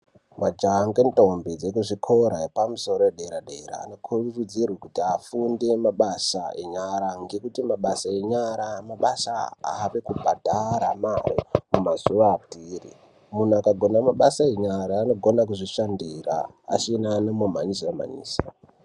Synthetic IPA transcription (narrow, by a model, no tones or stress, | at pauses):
mad͡ʒaŋɡentʼombed͡zekuʐikʰo̞ɾaepamuso̞ɾoeɗeeɾaɗeeɾa̰ːno̞kʰurud͡zirwekutiafunde̞maɓasae̞ɲaɾaŋɡe̞kutimaɓasae̞ɲaɾamaɓasaa̰ːʋe̞kubʱadʱaɾamawḛmumaz̥uʋaːpiːrḭ | mun̤uakaɡʱo̞namaɓasaeɲaɾaːno̞ɡʱo̞nak̬uʐiʃandira̰ː | t͡ʃinanamoma̰ɲisama̰ɲḭːsḁ